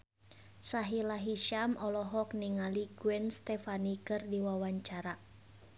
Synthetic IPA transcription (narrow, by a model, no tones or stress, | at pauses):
saɦilaɦiʃamʔɔlɔɦɔk̚niŋaliɡuɛnst̪ɛfanikɨrdiwawaɲt͡ʃaɾa